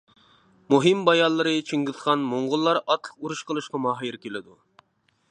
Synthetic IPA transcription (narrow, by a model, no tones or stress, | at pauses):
muɦɨmbɑjɑlˠːɨɾɨt͡ʃʰiŋɡʲɪzʁɑnmoɴʁʊlˠːɑɾɑt̪lˠəquɾuʃqəlˠɨʃqɑmɑɦɾkʲʰelɪd̪u